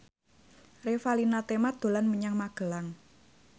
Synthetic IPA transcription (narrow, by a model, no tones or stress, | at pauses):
refalinat̪emad̪̥o̤lanməɲaŋmaɡ̥əlaŋ